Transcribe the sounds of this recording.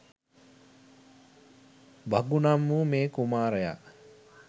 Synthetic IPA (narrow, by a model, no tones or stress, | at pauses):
baɡunamːumeːkumaːɾəja̰